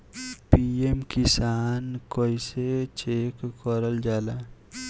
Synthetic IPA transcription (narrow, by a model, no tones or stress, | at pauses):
piemkɪsaːnkɔiset͡ʃeːkkəɾəld͡ʒaːlaː